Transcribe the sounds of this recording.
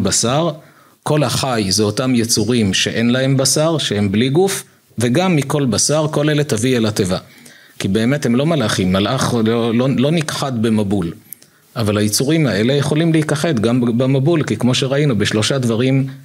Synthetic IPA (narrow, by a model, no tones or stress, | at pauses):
basaʁ | ko̞lhaχajzeotamjet͡suʁimʃe̞ʔe̞nlaɦe̞mbasaʁʃehe̞mbliɡuf | ve̞ɡamːiko̞lbasaʁko̞le̞letavielate̞va | kibe̞ːme̞the̞mlo̞malaχimːalʔaχlololo̞nikχad̪bemabul | avalhajet͡suʁimae̞le̞jeχo̞limleikaχe̞d̪ɡambamabulkikmo̞ʃeʁainubeʃlo̞ʃad̪vaʁim